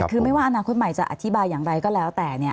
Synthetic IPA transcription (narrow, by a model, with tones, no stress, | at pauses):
kʰɯː˧ma˥˩jwaː˥˩ʔa˧naː˧kʰo˦˥t̪̚ma˨˩jt͡ɕa˨˩ʔa̰˨˩t̪ʰi˦˥baː˧jːaː˨˩ŋɾa˧jkɔː˥˩lɛː˦˥wt̪ɛː˨˩ni˥˩ɐ